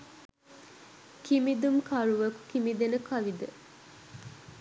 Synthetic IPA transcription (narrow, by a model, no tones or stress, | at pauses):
kimid̪umkʰɐɾuʋɐku̥kimid̪enəkɐʋid̪ə